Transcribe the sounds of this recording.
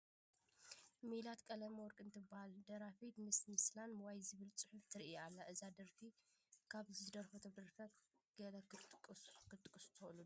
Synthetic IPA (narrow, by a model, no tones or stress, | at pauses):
melat̪kʼɐlɐmwɔɾkʼɨnt̪ʰɨbahald̪ɐɾafit̪mɨsmɨslanwajzɨβɨlt͡sʼɨħuft̪ʰɨɾʔialːaʔɨzad̪ɐɾfi | kʰaβzɨɨd̪ɐɾfot̪ʰod̪ɐɾfɐ | ɡ̥ɐlɐk̪kʼːkʰɨt̪ʼɨkʼɨst̪ʰɐlu